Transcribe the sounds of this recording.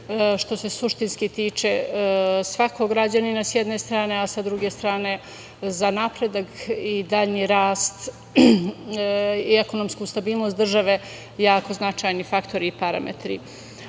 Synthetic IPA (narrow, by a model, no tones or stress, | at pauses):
ʃt̪o̞se̞suʃt̪inskit̪iːt͡ʃe̞ | sʋako̞ɡɾad͡ʑaninasjed̪ne̞st̪ɾaːne̞asad̪ɾuɡest̪ɾaːne̞ | zanapɾe̞d̪akid̪aʎniɾaːst̪ | ieko̞nomskust̪abiːlˠno̞st̪d̪r̩ʒaʋe̞ | jaːko̞znat͡ʃajnifakt̪ʰo̞ɾiːpaɾa̰mḛt̪ɾḭ